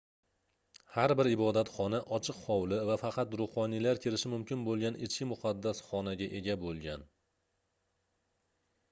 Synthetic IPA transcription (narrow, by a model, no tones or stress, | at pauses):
haɾbɪɾɪbɒd̪at̪χɒnaʔɒt͡ʃʰɨqχɒwlɪvafɑqʰɑt̪ɾʊχɒnilaɾkʲʰeɾɪʃɪmʊmkʲʰɪnbolˠɡʲanɪt͡ʃʰkʲɪmʊqʰɑd̪ːasχɒnaɡʲaʔe̞ɡʲabolˠɡʲan